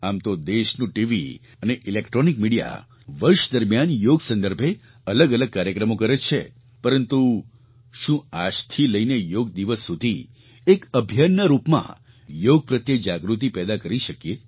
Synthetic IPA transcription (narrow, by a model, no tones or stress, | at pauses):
amt̪od̪eʃnũʈiʋḭ | əneʔilekʈɾonikmiɽija̰ | ʋəɾʃd̪əɾmjanjoɡsə̃nd̪əɾbʱe | ələɡələɡ̚kaɾjəkɾəmokəɾet͡ʃʰḛ | pəɾənt̪u | ʃũa̰d͡ʒt̪ʰiləinejoɡ̚d̪iʋəsːud̪ʱi | ekəbʱjanːəɾupmã̰ | joɡ̚pɾət̪jəd͡ʒaɡɾut̪̬ipɛd̪akəɾiʃəkje